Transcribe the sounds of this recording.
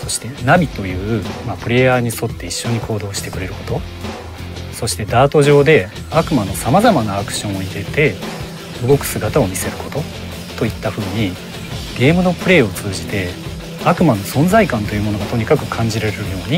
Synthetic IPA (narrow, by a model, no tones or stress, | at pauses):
so̞ɕi̥t̪e̞nabʲit̪o̞jɯ̟ːmapɯ̟ɾe̞jaːɲ̟iso̞t̪ːe̞iɕːo̞ɲ̟ikʰo̞ːd̪o̞ːɕi̥t̪e̞kɯ̟ɾe̞ɾɯ̟ko̞t̪o̞ | so̞ɕi̥t̪e̞d̪aːt̪o̞ʑo̞ːd̪e̞ | akɯ̟mano̞samazamanaːkɯ̟̥ɕõ̞ɰ̃o̞iɾe̞t̪e̞ | ɯ̟ɡo̞kɯ̟̥sɨɡat̪ao̞mʲise̞ɾɯ̟ko̞̥t̪o̞ | t̪o̞it̪ːaɸɯ̟ːɲ̟i | ɡ̥ʲe̞ːmɯ̟no̞pɯ̟ɾe̞ːo̞t͡sɨːʑit̪e̞ | akɯ̟mano̞sõ̞nzaikãnt̪o̞jɯ̟mo̞no̞ɡat̪oɲ̟ikakɯ̟kʰãɲ̟d͡ʑiɾeɾeɾɯ̟jo̞ːɲ̟i